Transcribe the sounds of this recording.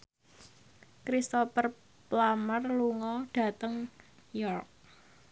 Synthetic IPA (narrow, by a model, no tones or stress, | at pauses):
kɾist̪ɔfər | plamərluŋɔɖ̥a̤t̪əŋ | jɔrk̚